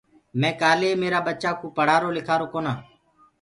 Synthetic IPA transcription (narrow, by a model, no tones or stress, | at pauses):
mɛ̃ːkaːleːmeːɾaːbətːt͡ʃaːkoːpəɽ̤aːɾoːlɪkʰaːɾoːkoːnaː